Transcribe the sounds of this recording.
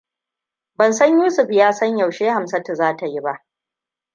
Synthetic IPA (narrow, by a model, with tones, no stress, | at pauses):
bɐ˨nsɐ˦ɲjuː˦sʊ˨ɸjaː˦sɐ˦ɲja˨wʃeː˦ha˨msɐ˦ta˨zaː˦ta˨ji˦ba˦ʔ